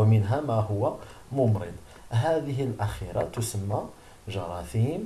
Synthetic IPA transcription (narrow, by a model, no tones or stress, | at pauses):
mənɦæmæɦʊwːæ | mʊmɾə̰d̪ | ɦæd̪əɦəlʔæxiɾˤa̰t̪ʊsəmːæ | ʒɑɾˤɑθim